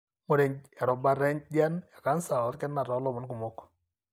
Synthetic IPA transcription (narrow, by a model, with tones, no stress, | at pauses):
mo˦ɾɛ˨ɲja˨ɾɔ˨ba˦ɾɛ˦ɲd͡ʒa˦nja˨ka˦nsa˨ɔ˨˦tkɛ˦nːa˨ɾɔ˨˦lɔ˦mɔ˦nku˨mo˦k